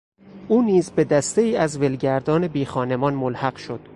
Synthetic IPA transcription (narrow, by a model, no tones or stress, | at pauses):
ʔuːniːzbe̞d̪æst̪e̞iːæzve̞lɟæɾd̪ɒːne̞biːxɒːne̞mɒːnmolhæɢ̥ʃod̪̥